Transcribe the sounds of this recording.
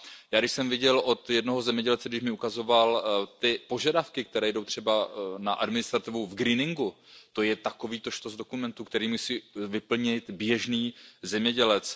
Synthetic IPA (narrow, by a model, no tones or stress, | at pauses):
jaːɡdɪʃsɛmvɪɟɛlʔo̞t̪jɛdnoɦozɛmɲɛɟɛlt͡sɛɡdɪʒmɪukazo̞valt̪ɪpo̞ʒadafkɪk̚t̪ɛɾɛːjdo̞wt̪r̝̥ɛbanaʔadmɪnɪst̪ɾat̪ɪvuvɡɾiːnɪŋɡut̪o̞jɛt̪ako̞viːt̪oʃt̪ozdo̞kumɛnt̪ukt̪ɛɾiːmusiːvɪpl̩ɲɪt̪bjɛʒniːzɛmɲɛɟɛlɛt͡s